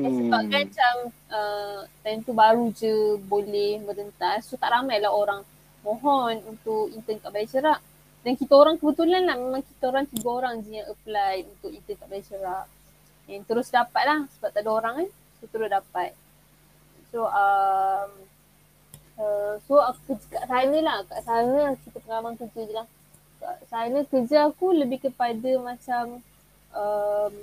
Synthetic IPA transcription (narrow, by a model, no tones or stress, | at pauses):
asəbap̚kant͡ʃaŋət̪ant̪ubaɾud͡ʒəbolɛhməɾənt̪asot̪aʔɾamajlaɦoɾaŋ | mõɦɔnunt̪ʊkint̪ənk̪aʔbalit͡ʃəɾaʔ | dankit̪aoɾaŋkəbət̪ulanlahmemãŋkit̪aoɾaŋt̪iɡaoɾaŋziãʔəplajunt̪ʊkint̪ənk̪aʔbalat͡ʃəɾaʔ | ɛnt̪əɾʊsdapat̪̚lahsəbap̚t̪adaoɾaŋan | sot̪əɾʊsdapat̪̚ | soʔəm | əsoakəd͡ʒkaʔsanə̃lahkaʔsanə̃kit̪apəŋalamank̪ud͡ʒuɲəlah | kaʔsanə̃kəd͡ʒaakuləbɪhkəpadamat͡ʃam | əm